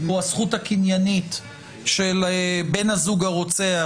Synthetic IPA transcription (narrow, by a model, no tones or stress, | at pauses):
asχutakinjanit̪ | ʃelebe̞nazuɡaʁo̞t͡sea